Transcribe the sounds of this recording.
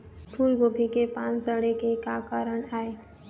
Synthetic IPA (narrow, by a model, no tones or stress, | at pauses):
t̪ʰuɾɡobʱikepãːnsəɽekekakaːɾəɽ̃aːe